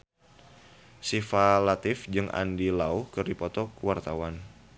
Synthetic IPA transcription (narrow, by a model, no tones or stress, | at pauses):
sifalat̪ɪfd͡ʒɨŋʔa̰ndilauhkɨrdipɔt̪ɔkəwart̪awan